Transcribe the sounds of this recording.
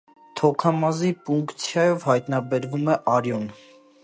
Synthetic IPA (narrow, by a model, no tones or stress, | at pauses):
t̪ʰɔkʰɑmɑzipuŋkt͡sʰjɑjɔvhɑjt̪nɑbɛɾvumɛʔɑɾjɔn